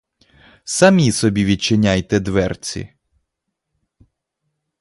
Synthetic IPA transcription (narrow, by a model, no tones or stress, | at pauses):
sɐmʲisɔbʲiʋʲid̚t͡ʃɪnʲajt̪ɛd̪ʋɛrt͡sʲḭ